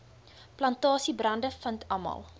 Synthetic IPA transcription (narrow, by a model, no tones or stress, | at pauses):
plɐntɑːsibrɐndəfəntʰɐmɐ̰lˠ